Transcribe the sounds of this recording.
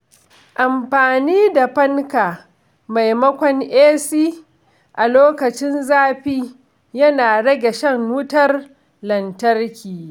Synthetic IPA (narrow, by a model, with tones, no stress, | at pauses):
ʔa˨mɸaː˨niː˦da˨ɸɐ˦ŋkaː˨ | ma˨jmɐ˦kʷɔ˨ŋʔeː˦siː˦ | ʔa˨loː˦kɐ˨t͡ʃɪ˦nzaː˦ɸiː˦ | jɐ˦naː˨ɽɐ˦ɡʲe˨ʃɐ˦ŋwʊ˦tɐ˦r | lɐ˨ntɐ˦rkʲiː˨